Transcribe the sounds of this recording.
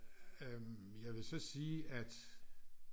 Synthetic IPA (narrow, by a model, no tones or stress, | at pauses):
jɑ̈ɪʋe̝sɒ̽siːæd̥